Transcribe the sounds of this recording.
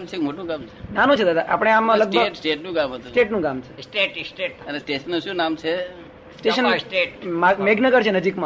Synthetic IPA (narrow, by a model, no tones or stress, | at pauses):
mt͡ʃʰemoʈũkamt͡ʃʰenanũt͡ʃʰed̪ad̪aʔa̰pɽ̃eamaləɡ̚bbəɡsʈeʈnũkamɦət̪usʈeʈnũɡamt͡ʃʰe̥sʈʈsʈeənesʈeʃənːũʃũnamt͡ʃʰe | sʈeʃənʈeʈmameɡnəɡəɾt͡ʃʰenəd͡ʒikmã